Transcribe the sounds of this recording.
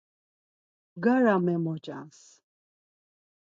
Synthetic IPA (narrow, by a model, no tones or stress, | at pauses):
ɡaɾamɛmɔt͡ʃʼa̰ns